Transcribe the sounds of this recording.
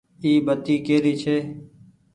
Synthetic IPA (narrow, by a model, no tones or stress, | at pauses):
iːbət̪iːkeːɾiːt͡ʃʰeː